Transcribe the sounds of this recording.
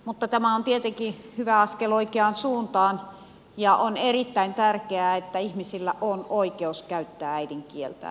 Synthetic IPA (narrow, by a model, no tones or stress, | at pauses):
mut̪ːɑt̪æmæont̪iet̪eŋkihyʋæɑskeloikeɑnsuːnt̪ɑːn | jɑʔonerit̪ːæint̪ærkeæet̪ːæihmisilːæʔonoikeuskæyt̪ːæːæidiŋkielt̪æ̰